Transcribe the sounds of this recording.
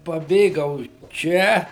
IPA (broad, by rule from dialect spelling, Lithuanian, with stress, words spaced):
pɐˈbʲeːɡɐʊ ˈt͡ʃʲɛ